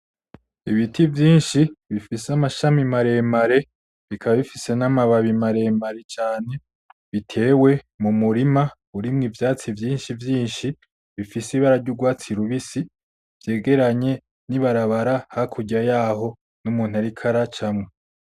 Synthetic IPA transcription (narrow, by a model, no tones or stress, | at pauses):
iβitivjiːnʃiβifisamaʃamimaɾe̞ːmaɾe̞ | βikʰaβaβifise̞namaβaβimaɾe̞maɾe̞t͡ʃaːne̞ | βitʰe̞ːwe̞ | mumuɾima | uɾimŋivjaːt͡sivjiːnʃivjiːnʃi | βifisiβaɾaɾɟuɡwaːt͡siɾuβisi | v̥je̞ːɡe̞ɾaɲe̞ | niβaɾaβaɾahakʰuɟajaːho̞ | numuːn̥haɾikʰaɾat͡ʃamŋe